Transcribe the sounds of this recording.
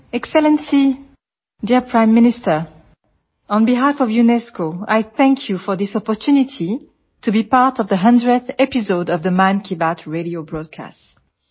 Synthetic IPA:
ɛksɛlə̃nsi | diɹpʰɹãɪ̃mːɪnɪstə˞ | ə̃nbiɦafɔvjunɛskoa̰jθɛ̃ŋkʰjufɔ˞ðɪsɔpɔtʰunitʰi | tʰubipaɹtʌvðəɦʌ̃ndɹəθɛpizodʌvðəmãnkʰibatʰɹeɾiobɹɔd̚kʰa̰st

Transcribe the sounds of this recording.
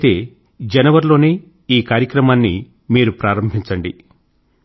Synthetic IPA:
t̪e̞ː | d͡ʒɛnɐʋɐɾlo̞ːneː | iːkaːɾjɐkɾɐmaːnːḭ | miːɾupɾaːɾɐmbʱiɲt͡ʃɐɳɖi

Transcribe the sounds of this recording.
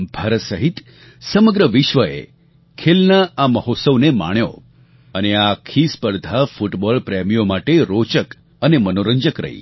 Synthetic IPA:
bʱaɾət̪səɦit̪ | səməɡɾəʋɪʃʋəḛ | kʰelnaaməɦot̪səʋnema̰ɳ̃jo̰ | əneakʰispəɾd̪ʱafuʈbɔlpɾemijomaʈeɾot͡ʃək | ənemənoɾəɲd͡ʒəkɾə̰ɦḭ

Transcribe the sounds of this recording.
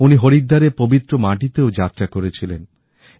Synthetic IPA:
uniɦoɾid̪ːaɾepobit̪ːɾomaʈit̪eod͡ʑat̪ːɾakoɾet͡ɕʰilen

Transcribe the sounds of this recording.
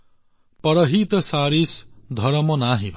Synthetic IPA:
pʌɾʌɦit̪ʌsaːɾisd̪ʱʌɾʌmɔnaɦibʱ

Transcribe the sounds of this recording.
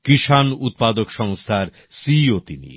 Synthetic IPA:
kiʃanut̪̚pad̪okʃɔŋst̪ʰaɾ | siot̪inḭ

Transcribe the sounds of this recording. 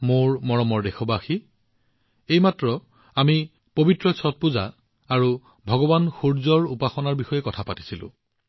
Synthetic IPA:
moɹmɔɹɔmɔɹdexɔbaxi | ejmatɹɔ | ami | pobitɹɔsʰɔt̚puza̰ | aɹu | bʱɔɡɔbanxuɹzɔɹupaxɔnaɹbixɔjɛkɔtʰapati̥silʊ̰̃

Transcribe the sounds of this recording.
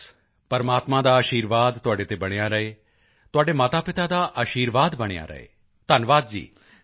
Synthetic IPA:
pɐɾmaːt̪mãd̪aəʃiːɾʋaːd̪t̪ʊaːɽet̪ebɐɽ̃jaɾɐe | t̪oaːɖemaːt̪apɪt̪ad̪aʔaʃiːɾʋaːd̪bɐɽ̃ja̰ɾɐ̰ɦḛ | t̪ənʋaːd̪d͡ʒḭː

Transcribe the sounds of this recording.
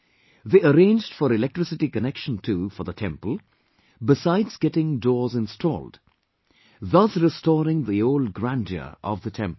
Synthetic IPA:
ðeːəɾẽɪ̃nd͡ʒd̥fɔɾɪlɛk̚ʈɹ̥ɪsɪʈikənɛkʃə̃ntʰuːfəðətʰɛ̃mpəlˠ | bɪsaɪdzɡɛtɪ̃ŋdɔːzɪ̃nstʰɔ̰ːlˠd̥ | ðʌsɾɪstɔːɾɪ̃ŋðioʊld̚ɡɾæ̃nd͡ʒə̰ʔɔ̰vðətʰɛ̰̃mp

